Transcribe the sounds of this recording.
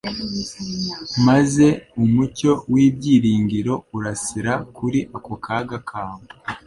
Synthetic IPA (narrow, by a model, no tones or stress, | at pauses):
maze̞umuco̞wiːbɟiːɾiːŋɡiɾo̞uɾasiɾakuɾiʔakokʰaːɡakʰaːŋo